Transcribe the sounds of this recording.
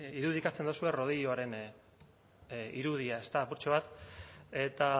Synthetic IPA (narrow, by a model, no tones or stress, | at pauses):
iɾuðikat͡se̞nd̪osue̞ro̞ð̞iʎoaɾe̞n | iɾuð̞iae̞st̪aːpuɾt͡ʃoβ̞at̪e̞t̪a